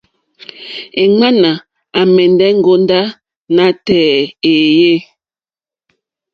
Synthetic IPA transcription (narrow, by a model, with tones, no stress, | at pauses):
e˨ŋ͡ma˦na˨ | a˨mɛ˨ndɛ˦ŋ̩˦ɡo˦nda˦ | na˨˦tɛː˨e˨je˦